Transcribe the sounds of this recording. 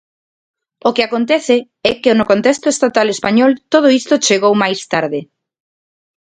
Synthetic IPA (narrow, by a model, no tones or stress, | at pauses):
ʊkɪakont̪ɛθɪ | ɛkɪnʊkont̪ɛst̪ʊest̪at̪alespaɲɔlt̪oðʊist̪ʊt͡ʃeɣowmajst̪aɾðɪ